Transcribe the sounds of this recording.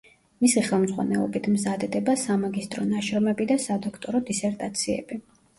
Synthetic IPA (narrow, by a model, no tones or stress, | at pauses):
misiχɛlˠmzʁwa̰nɛ̰lˠɔ̰bit̪ʰmzad̪ɛd̪ɛbasamaɡist̪ʼɾɔnaʃɾɔmɛbid̪asad̪ɔkʰt̪ʼɔɾɔd̪isɛɾt̪ʼat̪sʰiɛ̰bi